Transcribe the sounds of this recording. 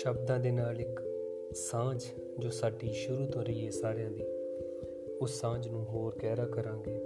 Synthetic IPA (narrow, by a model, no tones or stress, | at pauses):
ʃəbd̪ãːd̪eːnaːlɪk | sãːd͡ʒ | d͡ʒoːsaːɖiːʃʊɾuːt̪oːɾiːeːsaːɾejãːd̪iː | ʊsːãːd͡ʒnũːɦoːɾkɛːɾaːkəɾãːɡeː